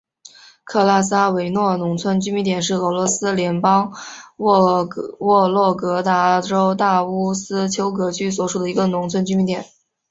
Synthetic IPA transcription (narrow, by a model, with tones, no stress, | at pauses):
kʰɤ˥˩la˥˩s̬a˥we˧˥ɪnwɔ˥˩nʊ˧˥ŋt͡sʰwə˥nt͡ɕy˥mi˧˥nt̪jɛ˨˩nʂ̬ɻ̩˥˩ɤ˧˥lwɔ˧˥sɹ̩˥ljɛ˧˥npɑ˥ŋ | wɔ˥˧lwɔ˥˩kɤ˧˥t̪a˧˥ʈ͡ʂo˥ʊt̪a˥˩u˥sɹ̩˥t͡ɕʰjo˥ʊk̬ɤ˧˥t͡ɕʰy˥s̬wɔ˧˥˩ʂu˨˩d̪ə˩i˧˥ɡə˧nʊ˧˥ŋt͡sʰwə˥nt͡ɕy˥mi˧˥nt̪jɛ˨˩˦n